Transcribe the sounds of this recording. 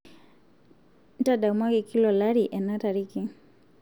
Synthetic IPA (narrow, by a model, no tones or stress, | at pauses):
n̩taɗamwakikilɔlaɾiʔɛnataɾiki